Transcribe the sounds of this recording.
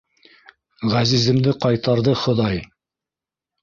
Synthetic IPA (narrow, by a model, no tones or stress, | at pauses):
ʁæzizɘ̆md̪ɘqɑjt̪ɑɾðɤχŏðɑj